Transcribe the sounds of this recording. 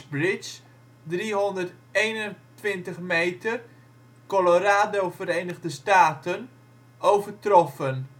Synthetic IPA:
brɪt͡ʃ | driɦɔndərt | ejnəntʋɪntəχmejtər | koloraːdovəɾejnəɣdəstaːtən | owvərtrɔfən

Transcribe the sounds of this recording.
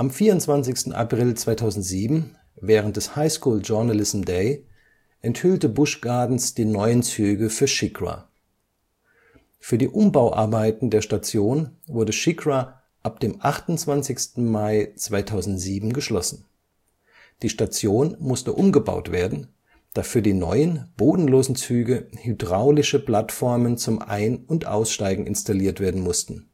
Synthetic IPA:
ʔamfiːɐʊntt͡sv̥ant͡sɪçstn̩ʔa̰pʁ̥ɪlt͡sv̥aɪtʰaʊzn̩tz̥iːbm̩ | vɛːʁ̞ənt̚d̥ɛshaɪskuːld͡ʒʊɐnalɪsm̩deɪ | ʔɛnthʏltəbʊʃɡ̥aɐdn̩sd̥iːnɔʏənt͡syːɡəfyːɐʃɪkʁa̰ | fyːɐdiːʔʊmbaʊʔa̰ɐbaɪtn̩deːɐʃtat͡sjoːnvʊɐdəʃɪkʁa | ʔap̚d̥eːmʔaχtʊnt͡sv̥ant͡sɪçstn̩maɪt͡sv̥aɪtʰaʊzn̩tz̥iːbm̩ɡəʃlɔsn̩ | d̥iːʃtat͡sjoːnmʊstəʔʊmɡəba̰ʊtv̥eːɐdn̩ | d̥aːfyːɐdiːnɔ̰ʏənb̥oːdn̩loːzn̩t͡syːɡəhydʁaʊlɪʃəpl̥atfɔɐmənt͡sʊmʔa̰ɪnʊntʔa̰ʊsʃtaɪɡŋ̩ɪ̰nstaliːɐtv̥eːɐdn̩mʊstn̩

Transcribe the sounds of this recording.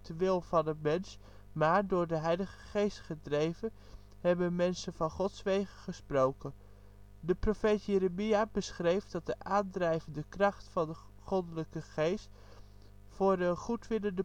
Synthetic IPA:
dəʋɪlˠvɑnəmɛns | maːɹdʊːɹdəɦɛjləχəχejstχədrejvən | hɛbənmɛnsənv̥ɑnχɔtsʋejχəχəsprowkən | dəprofejtjeɾəmiabəsχrejfdɑt̚dəʔaːndrɛjvəndəkrɑχtfɑndə | χɔdələkəχejst | fʊːɹəχutʋɪləndə

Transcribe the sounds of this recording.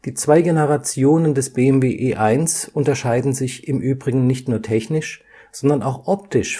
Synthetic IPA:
d̥iːt͡sv̥aɪɡenəʁat͡sjoːnəndɛsb̥eːɛmveːʔeːʔaɪnsʔʊntɐʃaɪdn̩zɪçɪmʔyːbʁɪɡŋ̩nɪçtnuːɐtʰɛçnɪʃ | z̥ɔndɐnaʊxʔɔp̚tɪʃ

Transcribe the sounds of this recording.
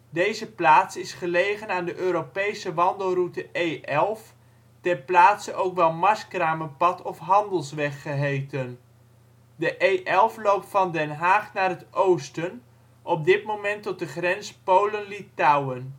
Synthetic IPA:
dejzəplaːtsɪsχəlejχənaːndəʔøːɾopejsəʋɑndəlˠrutəʔejʔɛlˠf | tɛnplaːtsənʔowkʋɛlˠmɑskraːməpɑtɔfɦɑndəlˠsʋɛχːəɦejtən | dəʔejʔɛlˠflowp̚tfɑndɛnɦaːχnaːrɦətowstən | ʔɔp̚dɪtmomɛntɔt̚dəχrɛnspowlənlitawən

